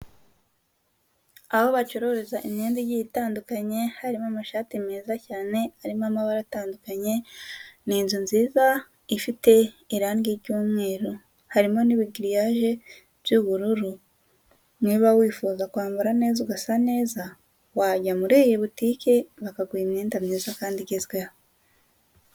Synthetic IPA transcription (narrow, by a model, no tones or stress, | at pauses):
aho̞βat͡ʃoɾo̞ɾezaʔimɲeːnzijiitaːndukaɲe̞haɾimamaʃaːtimeːzacaːne̞aɾimamaβaɾataːndukaɲe̞niːnzunziːza | ifite̞ | iɾaːŋɡiɾɟuːmŋe̞ːɾo̞ | haɾimo̞niβiɡiɾijaʒe̞ | β̥juβuɾuɾu | niːβawiːfuːzakwaːmbuɾane̞ːzuɡasane̞ːza | waɟamuɾeːjeβutiːkeβakaɡwiimniːndamniːzakaːndiɟezɡweho